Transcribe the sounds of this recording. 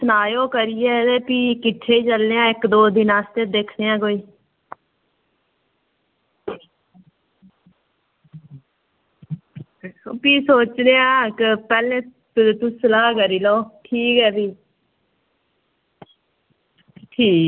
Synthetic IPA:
sənaːjoːkəɾijɛːeːpiːkɪʈʰːeːiːt͡ʃəlːeːãːɪkd̪oːd̪inaːst̪ed̪eːkʰneːãːkoːiː | piːsoːt͡ʃd̪eːãːkɪpɛːlẽː | t̪ʊsəlaːkəɾiːloːʈʰiːkɛːbiː | ʈʰiː

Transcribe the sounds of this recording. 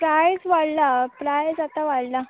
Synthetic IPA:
pɾajsʋaɽlapɾajsat̪aʋaɽla

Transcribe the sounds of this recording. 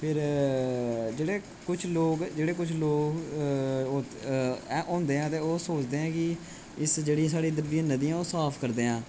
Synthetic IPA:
pʰɪɾ | d͡ʒeːɽeː | kʊt͡ʃʰloːkd͡ʒeːɽeːk̬ʊt͡ʃʰloːk | oː | ʔɔ̃ːnd̪eːãːt̪eːoːsoːt͡ʃd̪eːɛ̃ːkɪ | ɪsd͡ʒeːɽĩsaːɽiːd̪əɾbiãnəd̪iːãːoːsaːpʰkəɾd̪eːãː

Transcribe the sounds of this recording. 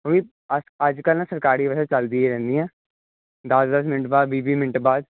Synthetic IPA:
ʋiː | əsəd͡ʒkəlnasəɾkaːɾiːʋɛsɛt͡ʃəld̪iɛɾɛ̃ːnd̪iɛ̃ː | d̪əsd̪əs̬mɪnəʈbaːd̪biːbiːmɪnəʈbaːd̪

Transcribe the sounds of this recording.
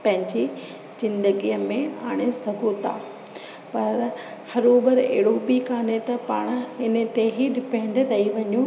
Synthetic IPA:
pɐ̃ɦɪ̃ɲd͡ʑi | zɪ̃nd̪əɡijəmẽaːɽ̃esɐɡʱut̪ʰa̰ː | pɐɾ | hɐɾoːbəɾḛɦɪɽobikaːnet̪ɐpaːɽ̃ɪnə̆t̪eɦiɗɪpẽːɳɖɾɐɦiʋɐɲu

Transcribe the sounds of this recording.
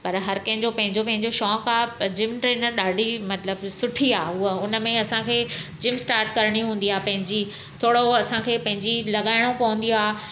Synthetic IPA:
pɐɾɦɐɾkɐ̃ɦɪ̃ɲd͡ʑopɐ̃ɦɪ̃ɲd͡ʑopɐ̃ɦɪ̃ɲd͡ʑoʃɔːkaːd͡ʑɪmʈɾeːnəɾɗaːɖʱimɐt̪ləbsʊʈʰiaːɦʊəʊnə̆mẽɐsãkʰeːd͡ʑɪmsʈaːɾʈkɐɾɽ̃iɦũːn̆d̪iaːpɐ̃ɦɪ̃ɲd͡ʑi | t̪ʰoːɽoɐsãkʰeːpɐ̃ɦɪ̃ɲd͡ʑilɐɠaːɪɽ̃opɐʋʊ̃n̆d̪iaː

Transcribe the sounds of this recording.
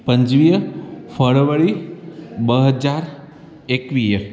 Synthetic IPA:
pəɲd͡ʒʋijəfʰəɭʋəɭi | bəɦəd͡ʒaɾ | ekʋijə

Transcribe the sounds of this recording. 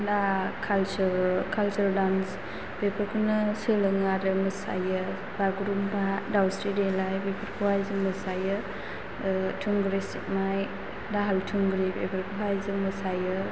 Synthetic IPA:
dakʰalt͡ʃuɾkʰalt͡ʃuɾdans | b̥epʰəɾkʰɯnɯsɯlɯŋaɾɯmɯsa̰jɯ | baɡɾumbadawsɾidelajbepʰəɾkʰuwajzɯŋməsajɯ | tʰuŋɡɾesik̚maj | daɦaltʰuŋɡɾibepʰəɾkʰuɦajzɯmɯsajɯ

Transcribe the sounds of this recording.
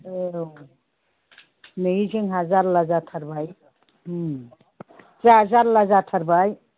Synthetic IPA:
ew | nɯiziŋɦazaɾlazatʰaɾbaj | zaazaɾlazat̪ʰaɾbaj

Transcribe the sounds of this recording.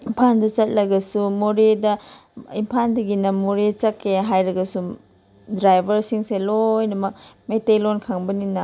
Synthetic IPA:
impʰandɐt͡ʃɐt̚lɐɡɐsumoɾedɐimpʰandɐɡinɐmoɾet͡ʃɐkːeɦajɾɐɡɐsu | dɾajbʱɐɾsiŋselojnɐmɐk̚metelonkʰaŋbɐninɐ

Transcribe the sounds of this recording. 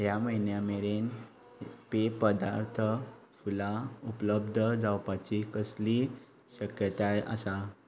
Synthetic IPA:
ɦjaməinjameɾen | pepəd̪aɾt̪ʰə | fulaupləbd̪ʱəd͡zawpat͡ɕikəsli | ɕəkjət̪ajʔə̰sa

